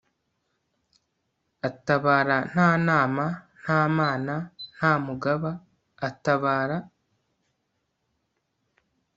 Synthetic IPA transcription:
ataβaːɾan̥aːnaːman̥haːmaːnan̥haːmuɡaβaː | taβaːɾa

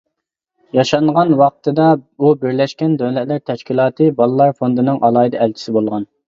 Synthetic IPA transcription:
jɑʃɑɴʁɑnwɑq̚t̪ʰɨd̪ɑubɪɾlɛʃkʲɛnd̪øwlɛt̪læɾt̪ʰɛʃkʲilˠɑːt̪ʰɨbɑlˠɨlˠɑɾfond̪ɨnɨŋʔɑlˠɑːid̪ɛlt͡ʃʰi̥sɪbolˠʁɑn

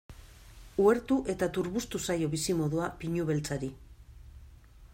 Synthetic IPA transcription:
ue̞ɾt̪uʔe̞t̪at̪uɾβust̪usajo̞βisimo̞ðuapiɲuβe̞lt͡saɾi

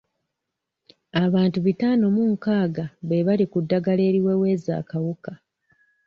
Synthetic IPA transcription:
aβaːntuβitaːno̞muŋkaːɡaβeβalikudːaɡale̞ːɾiwe̞ːwe̞ːza̰ːkawuka

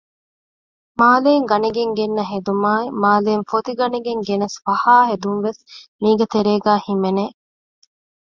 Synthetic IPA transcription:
maːleːŋɡɐniɡeŋɡenːɐɦed̪umaːimaːleːnfot̪iɡɐniɡeŋɡenɐsfɐhaːɦed̪unʋesmiːɡɐt̪eɾeːɡæːhimeneː

